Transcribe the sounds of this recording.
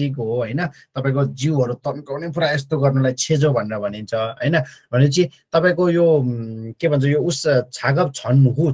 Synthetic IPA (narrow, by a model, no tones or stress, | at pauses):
ikɦoɦʌjnʌt̪ʌpaĩkod͡ziwʌɾut̪ʌnkʌwnʌjpɾajest̪oɡʌrnulajt͡sʰed͡zobʱʌneɾʌbʱʌnint͡sʰʌɦʌ̰jnʌbʱʌnet͡sĩt̪ʌpãĩkojokebʱʌnt͡sʰʌjoust͡sʰaɡʌb̚t͡sʰʌnmuku